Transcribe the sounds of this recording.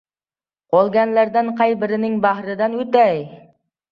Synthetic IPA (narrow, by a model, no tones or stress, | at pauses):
qʰolˠɡʲanlæɾd̪ænqʰɑjbɪɾɪnɪŋbæhɾɪd̪ænɵt̪æj